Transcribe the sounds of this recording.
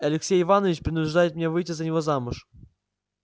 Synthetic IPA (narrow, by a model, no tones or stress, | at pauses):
ɐlʲɪksʲejɪvanəvʲɪt͡ɕpɾʲɪnʊʐd̪ajɪt̪̚mʲnʲevɨjtʲɪzənʲɪvozamʊʂ